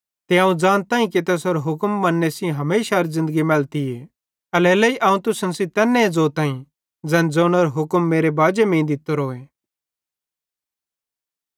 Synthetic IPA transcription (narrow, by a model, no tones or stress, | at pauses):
t̪eãːũd͡zaːnt̪ãːĩk̬it̪ɛːsɔɾɦʊkmːɐnːesĩɦɐmeːʃaɾizɪ̃nd̪əɡimɛːlt̪ie | ɐlɛːlɛiʔaːũt̪ʊsənsit̪ɛːnːed͡zoːt̪ãːĩ | d͡zɛnd͡zoːnɔɾɦʊkmːeːɾebaːd͡ʒemẽːĩd̪ɪt̪oɾoːe